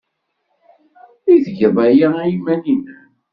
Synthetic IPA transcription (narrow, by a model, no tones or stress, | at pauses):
iðʝəðˤæjaæimæninæ